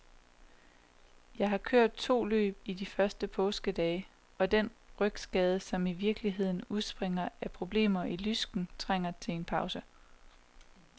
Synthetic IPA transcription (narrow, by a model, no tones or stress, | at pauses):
jɑ̈ɪɦɑ̈kʰø̰ɐ̰d̥̚t͡sʰo̝̰ːlø̰ːb̥id̥ifɶɐsd̥əpʰɔ̽ːsɡ̥əd̥ɛː | ɒ̽d̥enʁœɡ̥sɡ̥ɛːð̞ˠəsɒ̽miʋiɐɡ̥əliɦe̝ð̞̰ˠn̩uðˠsb̥ʁeŋɐæpʰʁo̝b̥le̝̰ːmɐilysɡ̥n̩t͡sʰʁaŋ̰ɐt͡sʰe̝le̝npʰɑ̈ʊsə